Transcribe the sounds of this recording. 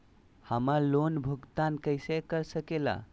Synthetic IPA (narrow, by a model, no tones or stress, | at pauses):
həməɾlonbʱuɡt̪ankəɪsekəɾsəkela̰